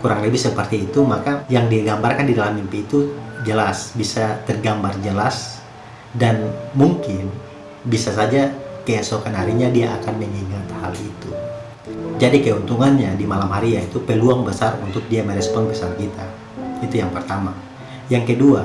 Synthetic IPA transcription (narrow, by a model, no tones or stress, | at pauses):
kuɾaŋləbɪsəpərt̪iːt̪umakajaŋdiaɡambarkandidalamːimpiːt̪ud͡ʒəlasbisat̪ərɡambard͡ʒəlas | danmuŋkɪn | bisasad͡ʒakajasokanɦaɾiɲadiaʔakanməŋiŋat̪ha̰lḭt̪u | d͡ʒadikajaunt̪uŋanɲadimalamɦaɾijait̪upəluaŋbəsarunt̪ʊk̚diaməɾɛspɔnpəsalkit̪a | it̪ujaŋpərt̪ama | jaŋkədua